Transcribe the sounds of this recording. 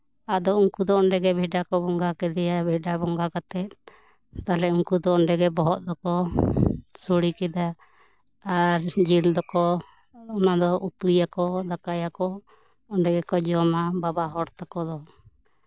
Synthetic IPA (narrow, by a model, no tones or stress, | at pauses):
ad̪ɔuŋkud̪ɔɔɳɖɛɡɛbʱɛɖakɔbɔŋɡakɛd̪ɛjabʱɛɖabɔŋɡakat̪ɛt̪̚ | t̪alɛuŋkud̪ɔɔɳɖɛɡɛbɔɦɔʔ̪̚d̪ɔkɔ | suɽikɛd̪aː | ɾd͡ʒild̪ɔkɔ | ɔnad̪ɔʔut̪ujakɔd̪akajakɔ | ɔnɖɛɡɛkɔd͡ʒɔmababaɦɔɾt̪akɔd̪ɔ